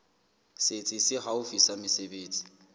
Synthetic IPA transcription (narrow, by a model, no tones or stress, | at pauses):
set͡sʼɪsɪχaʊfisamɪsebeːt͡sʼi̥